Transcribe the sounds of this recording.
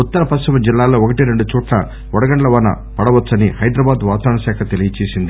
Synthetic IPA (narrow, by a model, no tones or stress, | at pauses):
ut̪ːɐɾɐpɐst̪imɐd͡ʒilːaːlo̞ːokɐʈiɾe̞ɳɖut͡ʃuːʈlɐ̰ | ɔɽɐɡɐɳɖlɐʋɐːnɐ̰ | pɐɽɐʋɐt͡sːɐnihɐjd̪ɾɐbaːd̪ʋaːt̪aːɳɐʃaːkʰɐt̪elijɐt͡ʃeːsind̪i